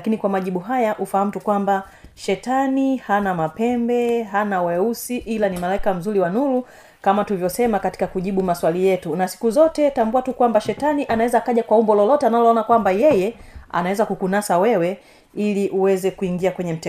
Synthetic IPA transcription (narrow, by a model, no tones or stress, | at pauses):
lakinikwamaʄiɓuɦajaʔufaham̩tukwamba | ʃɛtanihanamapɛmbɛɦanawɛusiʔilanimalaikam̩zuɾiwanulu | kamatulivjɔsɛmakati̥kakuʄiɓumaswalijɛtunasi̥kuzɔtɛtambuatukwambaʃɛtaniʔanawɛzaːkaʄakwaumbɔlɔlɔtɛanalɔɔnakwambajɛjɛa̰nawɛzakukunasawɛwɛ | iliʔuwɛzɛkuiŋɡiakwɛɲɛm̩t